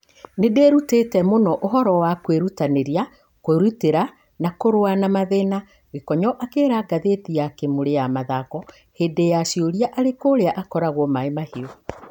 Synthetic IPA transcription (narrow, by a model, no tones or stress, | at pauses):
nedeːɾutetɛmonɔʔoɦɔɾɔwakweɾutaneɾia | koɾuteɾa | nakoɾwanamaðena | ɣekɔɲɔʔakeːɾaɡaðetijakemoɾejamaðakɔ | hedejaʃioɾiaʔaɾekoɾeaʔakɔɾaɣɔmaemahiɔ